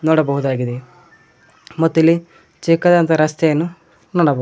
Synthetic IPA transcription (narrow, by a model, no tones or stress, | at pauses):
nɔɽɐbɐɦud̪aːɡid̪e | mɔt̪ːili | t͡ʃikːɐd̪ɐnt̪ɐɾɐst̪eenu | nɔɽɐb